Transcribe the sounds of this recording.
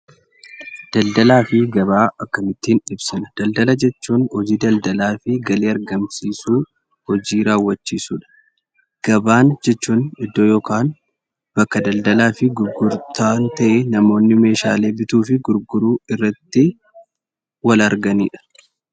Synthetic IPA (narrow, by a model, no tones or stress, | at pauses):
d̪̥ɐld̪ɐlaːfɪɡɐbaːɐkːɐmɪt̪ːiːnᶑɪbsɪnɐd̪̥ɐld̪ɐlɐd͡ʒɛt͡ʃːuːnhɔd͡ʒiːd̪ɐld̪ɐlaːfɪɡɐleːɐɾɡɐmsiːsuː | hɔd͡ʒiːɾaːwːɐt͡ʃːiːsuːᶑɐ̥ | ɡ̥ɐbaːnd͡ʒɛt͡ʃːuːnɪd̪ːoːjoːkaːn | b̥ɐkːɐd̪ɐld̪ɐlaːfɪɡʊɾɡʊɾt̪aːnt̪ɐʔɛnɐmo̞ːnːɪme̞ːʃaːle̞ːbɪt̪uːfɪɡʊɾɡʊɾuːɪrːɐt̪ːɪ | wɐlɐɾɡɐnḭːᶑɐ̥